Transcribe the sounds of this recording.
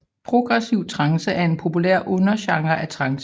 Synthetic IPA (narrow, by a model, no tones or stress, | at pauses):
pʰʁo̝ɡ̥ʁɛsiʊ̰t͡sʰʁɑ̈ŋsəʔæɐe̝npʰo̝pʰulæ̰ɐ̰ʔɔ̽nɐɕɑ̈ŋɐʔæt͡sʰʁɑ̈ŋs